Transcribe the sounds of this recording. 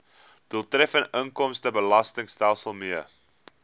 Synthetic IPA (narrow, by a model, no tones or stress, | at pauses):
d̥ulˠtrɛfənəŋkɔmstəbəlɐstəŋstælˠsəlˠmiə